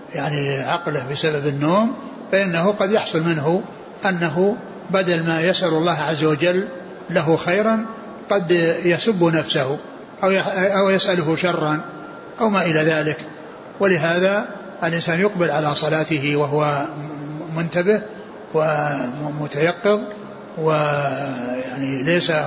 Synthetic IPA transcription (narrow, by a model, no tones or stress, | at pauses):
jaʕniʕɑqlahbɪsababɪnːoːm | faʔɪnːaɦʊqɑd̪jɑħsˤʊlmɪnɦʊ | ʔanːaɦʊ | bad̪almaːjasʔalɑlˤːɑːɦʕazːawad͡ʒalː | aɦʊxajɾan | qɑd̪jasʊbːʊnafsahʊ | ʔawʔawjasʔalʊɦʊʃɑrˤːɑn | ʔawmaːʔɪlaðaːlɪk | wɪlɪɦaːða | ʔɪlʔɪnsaːnjʊqbɪlʕalasˤɑlaːt̪ɪhɪwaɦʊwa | mʊnt̪abɪh | wɪmʊt̪ajɑqːɨð | wɪ | jaʕnilejsa